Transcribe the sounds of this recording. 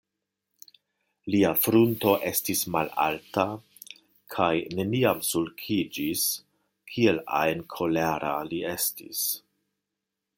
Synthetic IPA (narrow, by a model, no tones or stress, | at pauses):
liafɾunto̞ʔe̞stismala̰lta | kʰajne̞niamsulkʰid͡ʒis | kʰie̞la̰jnkʰo̞laɾʔa̰lie̞stḭs